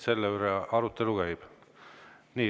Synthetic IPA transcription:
se̞lːeyɾeɑɾut̪ːeluɡ̥æjb̥ | niː

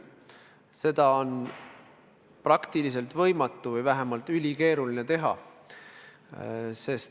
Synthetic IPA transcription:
se̞d̪̥ɑo̞n | prɑkt̪ilise̞lt̪vɤ̞jmɑt̪ˑːuvɤjvæɦemɑlt̪ylʲike̞ːɾulinet̪e̞ɦɑ̰ | se̞st̪

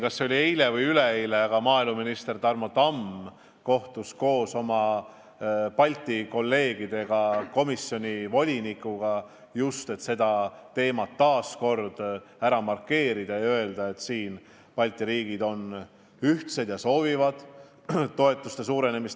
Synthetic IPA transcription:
kɑsːeo̞liejle̞vɯjyle̞ejleɑɡ̥ɑmɑːilmuminist̪e̞rt̪ɑrmo̞t̪ɑm | ko̞ht̪usko̞ːso̞mɑ | pɑlʲt̪ːˑiko̞lːe̞ːɡid̪̥e̞ɡ̥ɑko̞misjo̞nʲivo̞lʲinikˑːuɡ̥ɑ | just̪e̞t̪se̞d̪̥ɑt̪e̞ːmɑt̪ːɑːsko̞rd̪̥ | æɾɑmɑrkːe̞ːɾid̪̥ɑjø̞e̞ld̪ɑe̞t̪siːn | pɑlʲt̪ˑiɾiːɡid̪o̞n | yht̪se̞d̪̥jɑso̞ːvivɑd̪̥ | t̪ːo̞e̞t̪ːˑust̪e̞suːɾe̞ne̞mis

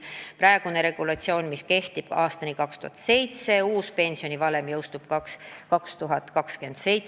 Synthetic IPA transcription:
pɾæeɡ̥une̞ɾe̞ɡ̥ulɑt̪sio̞ːnmiske̞ht̪ib̥ɑːst̪ɑnikɑkst̪ṵhɑ̰t̪se̞jt̪se̞uːspe̞nʲsio̞nivɑle̞mjɤwst̪ub̥̚kskɑkst̪uɦɑt̪ːkɑkske̞nd̪̥sej

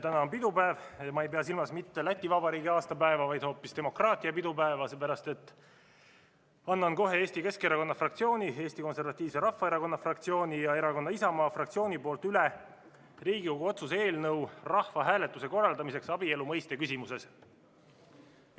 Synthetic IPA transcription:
t̪ænɑonpid̪upæevɑmɑe̞jpe̞ɑs̬ilmɑsmit̪ːe̞læt̪ʲˑːivɑbɑɾiːɡiɑːst̪ɑpæevɑvɑjd̪̥ho̞ːpːist̪e̞mo̞krɑːt̪ˑiɑpid̪upæevɑsep̬æɾɑst̪e̞t̪ːˑ | ɑnːɑnko̞ɦe̞eːst̪ike̞skeɾɑko̞nːɑfrɑk̚t̪sio̞ːnʲie̞ːst̪iko̞nse̞rvɑt̪ʲːˑiːvse̞ɾɑhːɑe̞ɾɑko̞nːɑfrɑk̚t̪sio̞ːnʲijɑe̞ɾɑko̞nːɑisɑmɑːfrɑk̚t̪sio̞ːnipo̞ːlt̪yle | riːɡiko̞ɡuo̞t̪sus̬e̞ːlnɤwrɑhvɑɦæːlet̪ːˑuse̞ko̞rːɑld̪ɑmise̞ksɑbie̞lumɤjst̪e̞kysʲimuse̞s

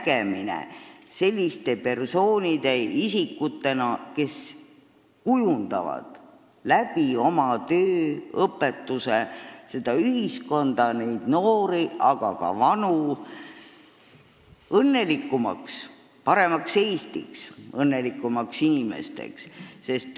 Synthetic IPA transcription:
ækeminḛse̞lʲːist̪e̞pe̞rso̞ːnʲid̪e̞isikːut̪ːe̞nɑke̞s | kujund̪̥ɑ̰vɑ̰d̪̥ | læb̥io̞mɑt̪øːɤpːe̞t̪ːusese̞d̪̥ɑyɦisko̞nd̪ɑne̞jd̪̥no̞ːɾiɑɡ̥ɑ̰kɑ̰vɑnu | ɤnːe̞likːumɑ̰ks | pɑɾe̞mɑkse̞jst̪ḭksɤnːe̞likːˑumɑksinime̞̰st̪e̞̰ksse̞st̪

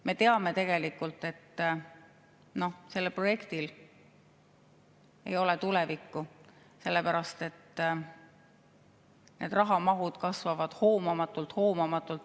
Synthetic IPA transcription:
me̞t̪eɑme̞t̪e̞ɡ̥e̞likːˑult̪ːˑe̞t̪ː | no̞hse̞lːepro̞je̞kt̪il | e̞̰jo̞le̞t̪ule̞vikːu | se̞lːe̞pæɾɑst̪e̞t̪ː | nʔe̞̰ːd̪̥rɑɦɑmɑɦud̪̥kɑsvɑvɑd̪̥hoːmɑmɑt̪ːˑult̪ho̞ːmɑmɑt̪ːˑult̪

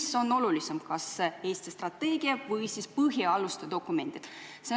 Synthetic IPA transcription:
so̞nːo̞lulisemkɑse̞ːst̪ist̪rɑt̪ːe̞ːɡ̥iɑvɤjsispɨɦjiɑlust̪ed̪̥o̞kːˑume̞nd̪̥id̪̥ | se

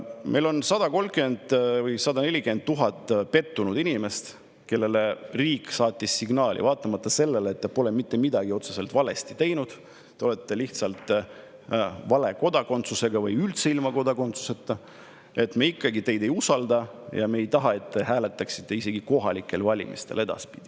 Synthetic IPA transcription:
mʔe̞jlo̞nsɑd̪ɑko̞lmkymend̪vɯjsɑd̪ɑne̞lʲikend̪̚t̪ːuɦɑt̪ˑːpe̞t̪ːunud̪̥inʲime̞st̪ | ke̞lːe̞le̞riːksɑːt̪ʲːˑisːiɡnɑːlʲḭvɑːt̪ːˑɑmɑt̪ːɑse̞lːe̞leet̪ːepo̞lemit̪ːe̞mid̪ɑɡ̥io̞t̪sese̞lt̪vɑle̞st̪i̥t̪e̞jnud̪̥ | t̪eo̞le̞t̪ːe̞liht̪sɑlt̪ˑ | vɑle̞ko̞d̪̥ɑko̞nt̪suse̞ɡ̥ɑvɯjylt̪seilmɑko̞d̪ɑko̞nt̪su̥se̞t̪ːˑɑ | e̞t̪meikːɑɡit̪e̞jd̪e̞jusɑld̪ɑjɑ̰me̞ːjt̪ɑɦɑe̞t̪ːe̞ɦæːlet̪ːˑɑksi̥t̪ːˑe̞ise̞ɡ̥iko̞ɦɑlikːˑe̞lvɑlʲḭmḭst̪e̞le̞d̪̥ɑ̰spi̥d̪̥i

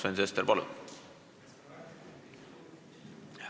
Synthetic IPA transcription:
ensest̪eɾpɑlṵ | h

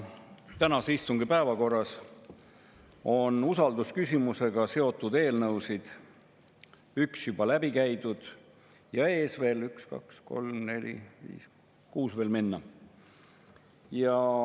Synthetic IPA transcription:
t̪ænɑseist̪uŋɡ̥ipæevɑko̞rːɑs | o̞nusɑld̪uskysʲimuse̞ɡ̥ɑse̞o̞t̪ːˑud̪̥e̞ːlnɤwsid̪̥ | yksjub̥ɑlæb̥ikæjd̪̥ud̪̥ | jɑe̞ːsve̞ːlykskɑ̰ksko̞̰lmne̞lʲḭvḭːs | kuːsve̞ːlminːɑ | jɑ

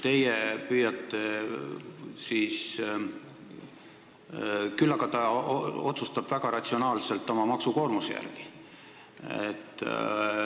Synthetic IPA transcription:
t̪e̞jepyːjɑt̪ːˑe | sis | kylːɑɡ̥ɑt̪ɑo̞t̪sust̪ɑb̥væɡ̥ɑɾɑt̪sio̞nɑːlse̞lt̪ːˑo̞mɑmɑksuko̞ːrmusejæ̰rɡ̥i̥ | ḛt̪ːˑ

